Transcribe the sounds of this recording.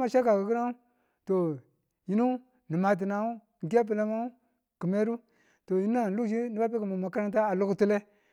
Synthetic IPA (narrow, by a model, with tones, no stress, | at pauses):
ma˨ʃa˦ka˨ki˨ki˦na˦u˦ | to˨ | ji˦nu˦ | ni˨ma˨t̬i˨na˨u˦ | ŋ˨ɡi˦a˦p̬i˨le˦ma˦u˦ | ki˨me˦ɾu˦ | to˨ji˦n˦a˦n˨lu˦˨ʃi˦ni˦ba˦p̬e˦ku˨mu˨ma˨ka˦ɾa˦t̬a˦a˨lu˦kti˦le˦